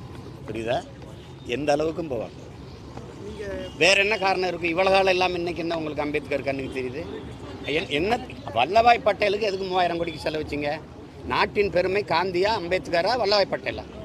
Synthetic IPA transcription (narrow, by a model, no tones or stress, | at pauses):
pʊɾɪ̰ðaː | ɛnd̪ɐːɭɐʋɯk̬ːɯmpoːʋa̰ːŋɡɐ̰ | ʋeːɾɛnːɐkaːɾɐɳɐmɪɾɯkːɯ̃ɪʋɐɭɐɣaːɭɐɛlːaːmɛnːɐk̬ːɪnːɐʊŋɡɐɭɯkːɯɐmbejt̪ːɯkːaːɾɯkːɐnːɯkːɯt̪ːɛɾɪjðɯ | ɛnɛnːɐ | ʋɐɭːɐʋaːjpːɐʈːɐjɐlɯk̬ːɯɛðɯkːɯmʊʋaːjɪɾɐŋkɔɽɪkːɯsɛlːɐʋɐt͡ʃːiŋɡɐ | naːʈːɪnpɛɾɯmɐɪkaːnd̪ɪjaːɐmbeːt̪ːɯkːaːɾaːʋɐɭːɐʋaːjpːɐʈːɐjla̰ː